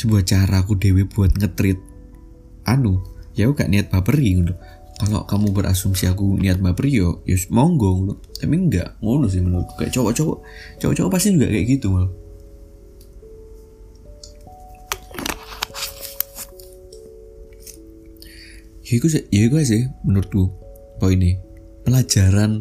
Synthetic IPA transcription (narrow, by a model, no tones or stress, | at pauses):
səbuat͡ʃaɾaːk̬udeweb̥uat̪̚ŋət̪ɾɪt̪̚ | ʔanujawuɡa̰ʔniat̪̚bapəɾiŋunt̪u | kalɔ̰ʔkamubəɾʔa̰sumsiakuniat̪̚bapəɾiɔjʊ̰smɔŋɡɔŋuuamiŋɡa̰ʔŋonʊs̬ɪhmənuka̰ʔt͡ʃɔwɔʔt͡ʃɔwɔ̰ʔt͡ʃɔ̰wɔ̰ʔt͡ʃɔwɔpast̪id͡ʒuɡa̰ʔkɛʔkit̪umal | jikus̬jaikuas̬ɪhmənuɾt̪u | pɔine | pəlḁʒ̥a̤ɾan